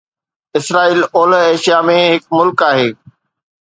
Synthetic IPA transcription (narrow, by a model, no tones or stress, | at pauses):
ɪsɾaːiːloːlɦeːʃijamẽɦɪkmʊlkaːɦeː